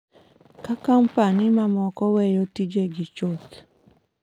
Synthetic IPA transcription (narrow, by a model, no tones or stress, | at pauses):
kakampanimamɔkɔwɛjotid͡ʒeɡit͡ʃot